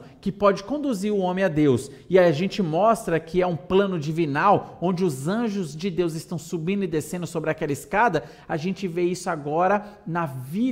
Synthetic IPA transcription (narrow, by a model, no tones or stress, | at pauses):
kɪpɔd͡ʒɪkõnd̪uziɾʊõmẽad̪ews | ɪaʒẽt͡ʃɪmɔst̪ɾɐkʰɪɛũplɐ̃nʊd͡ʒivinawõnd͡ʒɪʊzɐ̃ʒʊzd͡ʒɪd̪ewzɪst̪ɐ̃w̃subĩnʊɪd̪esẽnd̪ʊsobɾɪakɛlɐɪskad̪ɐ | aʒẽnt͡ʃɪveisʊaɡɔɾɐnɐvi